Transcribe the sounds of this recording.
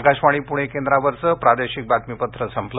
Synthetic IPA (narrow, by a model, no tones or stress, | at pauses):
kaɕʋaɽ̃ipuɽ̃ekẽnd̪ɾaʋəɾt͡səpɾad̪eɕik̚bat̪mipət̪ɾəsəmpl